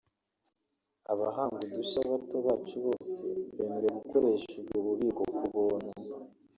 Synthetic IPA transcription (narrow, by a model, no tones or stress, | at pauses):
aβaɦaːŋɡudusaβatoβaːt͡ʃuβo̞ːse̞βeːmeɾe̞βuko̞ɾe̞ʃed͡ʒɡoβuβiːko̞kuβona